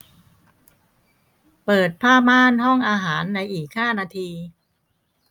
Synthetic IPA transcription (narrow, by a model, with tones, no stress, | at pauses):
pɤː˨˩t̪̚pʰaː˥˩maː˥˩nhɔ˥˩ŋʔaː˧ɦaː˩˦nːa˧jʔiː˨˩k̚haː˥˩naː˧t̪ʰiː˧